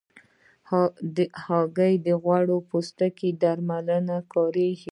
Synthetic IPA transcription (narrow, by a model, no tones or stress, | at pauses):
hɑɡəjd̪əɣwaɽopost̪aked̪aɾmalənakɑɾe